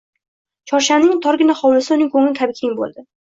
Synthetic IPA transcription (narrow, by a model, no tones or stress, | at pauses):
t͡ʃʰɒɾʃanɪŋt̪ʰɒɾɡʲɪnaχɒwlɪsɪʊnɪŋkʰɵŋɪkʲʰabɪkʰʲɾɪŋʲbo̰lˠd̪ɪ